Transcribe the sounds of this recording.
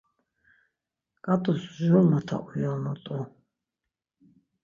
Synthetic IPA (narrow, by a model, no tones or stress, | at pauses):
kʼat̪ʼusʒulmat̪ʰa̰ʔujamɔt̪ʼu